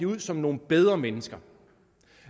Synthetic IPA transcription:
əuð̰ˠsɒ̽mno̝ːn̩b̥eð̞ˠʁɐmenəsɡ̥ɐ

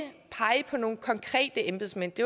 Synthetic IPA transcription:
pʰɑ̈ɪpʰɒ̽no̝ːn̩kʰɒ̽ŋkʰʁɛ̰ːd̥əemb̥e̝smen̰d̥e̝

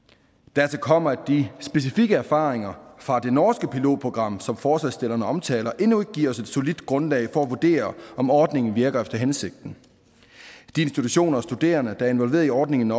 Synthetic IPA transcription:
d̥æɐt͡sʰekʰɒ̽m̰ɐæ̥isb̥e̝s̬ifiɡ̥əæɐfɑ̈ːʁeŋɐfʁɑ̈d̥e̝nɒːsɡ̥əpʰilo̝̰ːd̥̚pʰʁo̝ɡ̥ʁɑ̈m̰sɒ̽mfɒːsɛsd̥e̝l̰ɐnəɒ̽mt͡sʰɛ̰ːlɐʔe̝nue̝ɡ̥ə̥ɡiɐ̰ɒ̽se̝d̥so̝lid̥ɡ̥ʁɔ̽nlɛ̰ɪfɒ̽æʋud̥e̝̰ːɐʔɒ̽mɒːd̥ne̝ŋn̩ʋiɐɡ̥ɐefd̥ɐɦense̝ɡ̥̚d̥n̩ | d̥ie̝nsd̥it͡sʰuɕo̝̰ːnɐɒ̽sd̥ud̥e̝̰ːɐnəd̥ɑ̈æɐe̝nʋɒ̽lʋe̝ːɐðˠiɒːd̥ne̝ŋn̩

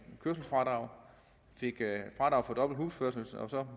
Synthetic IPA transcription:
kʰøɐsl̩sfʁɑ̈d̥ʁɑ̈ʊ̰ | fe̝ɡ̥fʁɑ̈d̥ʁɑ̈ʊfɒ̽d̥ɒ̽b̥l̩d̥ɦuːsføɐ̰sl̩sɒsɒ̽

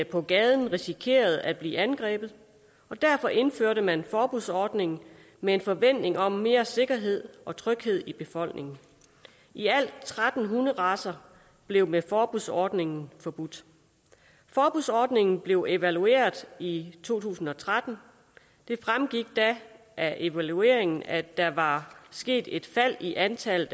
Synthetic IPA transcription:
pʰɒ̽ɡ̥ɛːð̞ˠn̩ʁisikʰe̝̰ːɐð̞̩ˠæd̥̚b̥lḭːænɡ̥ʁɛ̰ːb̥ð̞̩ˠ | ɒ̽d̥æɐfɒ̽ʔe̝nføɐɾəmænfɒːb̥uðˠsɒːd̥ne̝ŋn̩ | mee̝nfɒ̽ʋen̰d̥e̝ŋɒ̽mːe̝ːɐse̝ɡ̥ɐɦe̝ð̰ˠɒ̽t͡sʰʁœɡ̥he̝ð̞̰ˠib̥e̝fɒ̽l̰ɡ̥nʔe̝ŋn̩ | ʔiæl̰d̥t͡sʰʁad̥n̩ɦunð̩ˠʁɑ̈sɐ | b̥le̝ʊmefɒːb̥uðˠsɒːd̥ne̝ŋn̩fɒ̽b̥ud̥ | fɒːb̥uðˠsɒːd̥ne̝ŋn̩b̥le̝ʊʔe̝ʋælue̝̰ːɐðˠit͡sʰo̝̰ːt͡sʰṵːsn̩ɒ̽t͡sʰʁad̥n̩ | d̥e̝fʁamɡ̥iɡ̥̚d̥æ | ʔæʔe̝ʋælue̝̰ɐe̝ŋn̩æd̥æ̈ʋɑ̈sɡ̥e̝̰ːd̥e̝d̥fæl̰iʔænt͡sʰælð̩

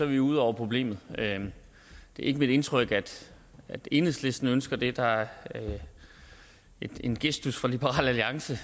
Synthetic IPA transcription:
sɒʋiuð̞̰ˠɒʊ̰ɐpʰʁo̝b̥le̝̰ːmð̞̩ˠø | d̥e̝æɐe̝ɡ̥əmid̥e̝nt͡sʰʁœɡ̥æd̥ | æd̥e̝nəsle̝sd̥n̩ønsɡ̥ɐd̥e̝d̥ɑ̈æ | ed̥e̝nɡ̥esd̥usfʁɒlib̥əʁɑ̰̈ːlæliɑ̈ŋsə

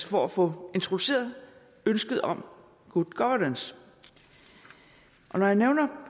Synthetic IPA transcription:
əfɒ̽æfɔ̽e̝nt͡sʰʁo̝d̥use̝̰ːɐð̩ˠ | ønsɡ̥əð̩ˠɒ̽m | ɡ̥ud̥ɡ̥ɒʋɐnəns | ʔɒ̽nɒjɑ̈neʊnɐ

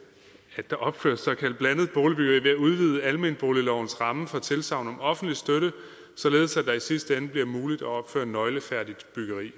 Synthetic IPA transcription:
æd̥d̥ɑ̈ʔɒ̽b̥fø̰ɐsːɒ̽kʰæl̰d̥̚b̥læn̰ð̩ˠb̥oːlib̥yɡ̥ɐʁḭːʋe̝æuð̞ˠʋiːðˠəælme̝nb̥o̝ːlilɒʊ̰n̩sʁɑ̈məfɒ̽t͡sʰe̝lsɑ̈ʊ̰nɒ̽mɒ̽fn̩d̥lisd̥øɾə | sɒ̽le̝ːð̞̩ˠsæd̥ɑ̈isisd̥əenəb̥liɐmuːlid̥æɒ̽b̥fø̰ɐnːɒ̽ɪləfæɐ̰d̥id̥b̥yɡ̥ɐʁḭː

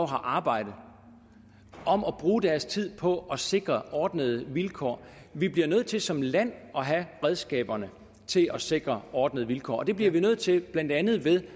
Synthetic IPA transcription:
ɦɑ̈ʔɑ̈ːb̥ɑ̈ɪ̰d̥ð̩ˠ | ʔɒ̽mɒ̽b̥ʁuːd̥æɐst͡sʰið̞̰ˠpʰɒ̽ʔɒ̽se̝ɡ̥ʁɐʔɒːd̥nəð̞ˠəʋilkʰɒ̰ː | ʋib̥liɐnøð̰̩ˠt͡sʰe̝lsɒ̽mlæn̰ɒ̽ɦæʁɛð̞ˠsɡ̥ɛ̰ːb̥ɐnə | t͡sʰe̝lɒ̽se̝ɡ̥ʁɐɒːd̥nəð̞̩ˠʋilkʰɒ̰ːɒ̽d̥e̝b̥liɐʋinøð̰̩ˠt͡sʰe̝b̥lænd̥ænð̞̩ˠʋe̝ðˠ

